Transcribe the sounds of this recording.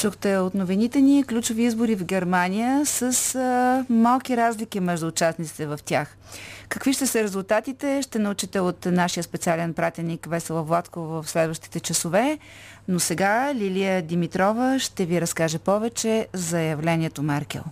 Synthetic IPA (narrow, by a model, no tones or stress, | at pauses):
t͡ʃuxt̪ɛot̪novinit̪ɛniklʲut͡ʃoviizbʊɾivɡɛɾmanijəsəs | malˠkiɾazlʲikimɛʒd̪uːt͡ʃasnit̪si̥t̪ɛvɐft̪ʲax | kəkviʃt̪ɛsəɾɛzulˠt̪at̪it̪ɛʃt̪ɛnəut͡ʃit̪ɛot̪naʃijəspɛt̪sialɛnpɾat̪ɛnːikvɛsɛlˠəvlˠat̪kovvəfslɛd̪vəʃt̪i̥t̪ɛt͡ʃəsovɛ | nosɛɡalʲiliəd̪imit̪ɾɔvəʃt̪ɛviɾɐskaʒɛpɔvɛt͡ʃɛzɐjɐvlɛniɛt̪omɛɾkʲɛ̰lˠ